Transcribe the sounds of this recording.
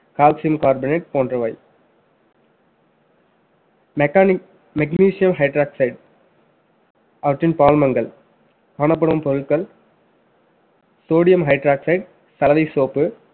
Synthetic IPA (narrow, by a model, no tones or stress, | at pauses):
kaːlsɪjɐmkaːɾbɪneʈ̚poːndrɐʋaɪ | mɛkniːsɪjɐmɦɐɪʈɾaːksɐɪɖ | ɐʋɐʈːɪnpaːlmɐŋɡɐɭ | kaːɳɐp̬ːɐɽɐɯmpɔɾɯɭkɐl | soːɽɪjɐmɦɐɪʈɾaːksɐɪɖ | sɐlɐʋɐɪsoːpːɯ